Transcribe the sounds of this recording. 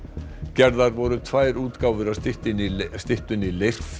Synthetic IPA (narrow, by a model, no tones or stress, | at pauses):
cɛɾðaɾvɔɾʏt̪ʰvaːjɾuːt̪kaːwvʏɾaɪt̪ɪnst̪ɪht̪ʏnilejr̥